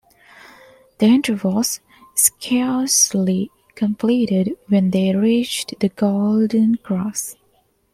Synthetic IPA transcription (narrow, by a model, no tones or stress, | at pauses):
ð̥iɛ̃ntə˞vɔlˠs | skʰɛɹsli | kʰə̃mpʰliɾɪdwɛ̃nd̪eɹit͡ʃðəɡoldə̃nɡɹɔs